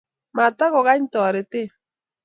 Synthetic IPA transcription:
ma˨t̪a˦ɣɔ˨ɣa˦ɲ˦tɔ˨ɾe˨te˦

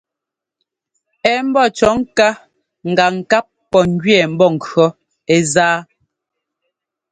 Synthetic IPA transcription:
ɛ˦m̩˦bɔ˦˨t͡ʃɔ˨˦ŋka˦ | ŋ̩˨ɡa˨ŋ̩˨ka˦p̚ːɔ˨ŋ˦ɡɥɛ˦˨m̩˦bɔ˦˨ŋ̩˨kɰɔ˦ | e˦zaː˦

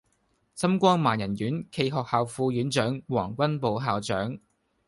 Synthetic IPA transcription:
sɐ˥mkʷɔː˥ŋmaː˨˩njɐ˨˩njyː˨˥nkʰe˧jɦɔː˨k̚haː˨wfuː˧jyː˨˥nt͡ʃœː˨˥ŋwɔ̰ː˨˩ŋkʷɐ˥npo˨˧wɦaː˨wt͡ʃœː˨˥ŋ

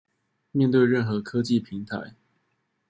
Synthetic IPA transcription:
mjɛ˥˧nt̪we˥˧ɪɻə˥˩nxɤ˨˥kʰɤ˥t͡ɕi˥˩pʰi˧˥˦ŋt̪ʰa̰˧˦ɪ

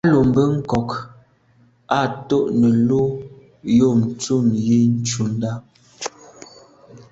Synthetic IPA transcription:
a˦lo˨m˨bə˦ŋ̩˦kɔ˨k | a˦˨to˦ʔnə˨lo˦ | jo˦˨m̩˨t͡su˦˨mji˦n̩˦t͡ʃu˨n˦da˦

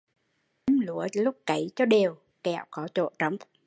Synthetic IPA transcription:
ə˨˦mlu˧˦əlʊ˦˥k͡p̚kə˨˩˦jt͡ɕɔ˧ɗe˨˩əw | kɛ˧˩˨wkɔ˨˦t͡ɕo̰˧˨t͡ɕə˨˧˦wŋ͡m

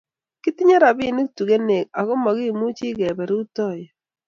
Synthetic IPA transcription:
kɪ˦ti˦ɲa˦ɾa˨bɪ˦˨nu˦k̚tu˨ɡe˦ne˨k̚a˨kɔ˦ma˨ɡi˦˨mu˦t͡ʃi˦ɡɛ˨bɛ˨ɾu˦u˦tɔ˦˨jɛ˨

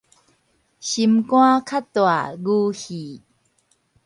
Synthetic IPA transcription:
ɕimkũa˦kʰa˥toa̰˨ɡu˦hi˨

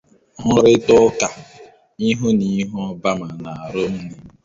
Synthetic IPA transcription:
ɦʊ˦ɾɪ˦tʊ˦ka˨ | i˦ɦo˦ni˦ɦʊ˦ɔ˦ba˦ma˨na˨a˨ɾʊ˦n̩˦ne˦

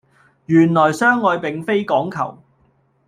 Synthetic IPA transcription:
jyː˨˩nlɔː˨˩jsœː˥ŋːɔː˨˧jpɪ˨˧ŋfe˥jkɔː˨˥ŋkʰɐ̰˨˩w

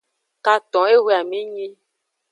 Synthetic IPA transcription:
ka˨t̪ɔ̃˨˦e˦we˦a˨mĩ˦ɲĩ˦

